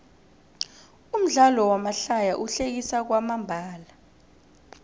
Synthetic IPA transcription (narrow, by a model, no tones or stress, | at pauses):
um̩ɮalɔwamaɬajaʔuɬek̬isak̬wamambʱaːla